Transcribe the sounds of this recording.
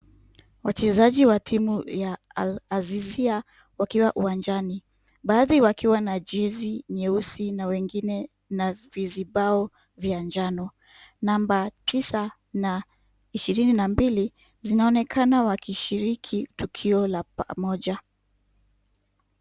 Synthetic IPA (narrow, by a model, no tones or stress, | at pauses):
wat͡ʃɛzaʄiwatʰimuja | alazizia | wakiwaʔuwand͡ʒani | ɓaːðiwakiwanad͡ʒɛziɲɛusinawɛŋɡinɛ | naviziɓaɔ | vjand͡ʒanɔ | nambatisa | na | iʃiɾininambili | zinaɔnɛkʰanawakiʃiɾikʰitukʰiɔlapamɔʄa